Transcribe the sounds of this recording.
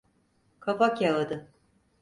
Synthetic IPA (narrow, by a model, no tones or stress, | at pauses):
kʰafakjalˠad̪ɯ